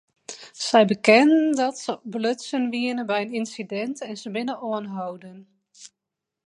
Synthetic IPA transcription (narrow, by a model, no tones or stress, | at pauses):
sɛjbəkɛnəndɔtsəbløtsənʋiənəbɛjənɪnsidɛntɛnzəbɪnəoənɦawdən